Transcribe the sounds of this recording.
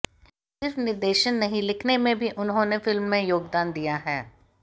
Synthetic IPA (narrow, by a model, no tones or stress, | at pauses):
sɪɾfnɪɾd̪eːʃənːɐɦĩlɪkʰnemẽbʱiʔʊnɦõnefɪlmːẽjoːɡd̪aːnd̪ijaɦɛː